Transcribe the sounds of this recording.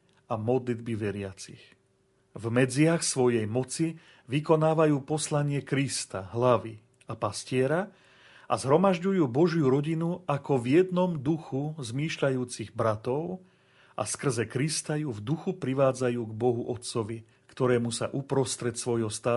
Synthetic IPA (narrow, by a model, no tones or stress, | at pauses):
amɔd̪lid̪biʋɛɾɪat͡six | vmɛd͡zɪaxsʋɔjɛjmɔt͡si | ʋikɔnaːʋajuːpɔslaɲɪɛkɾist̪aɦlaʋi | apascɪɛɾa | ʔa̰zɦɾɔmaʒɟujuːbɔʒjuɾɔɟinuakɔvjɛd̪nɔmd̪uxuzmiːʃʎajuːt͡siɣbɾat̪ɔʊ | ʔa̰skr̩zɛkɾist̪ajuːvd̪uxupɾiʋaːd͡zajuːɡbɔɦuʔɔt̪sɔʋi | kt̪ɔɾɛːmusa̰ʔupɾɔst̪ɾɛt̪sʋɔjɦɔst̪aː